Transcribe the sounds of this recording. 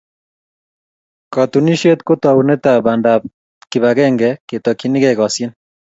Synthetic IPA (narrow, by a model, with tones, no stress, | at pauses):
kɔt̪uni˦ʃe˦t̪ko˦t̪a˨une˦t̪abanda | ki˨βaɣɛ˦ŋɡɛke˨t̪ɔkini˦ɣɛɣɔ˨sje˦n